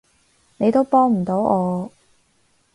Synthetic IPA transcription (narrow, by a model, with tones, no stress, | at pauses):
ne˨˧jt̪o˥wpɔː˥ŋm̩˨˩t̪o˨˥wɔː˨˧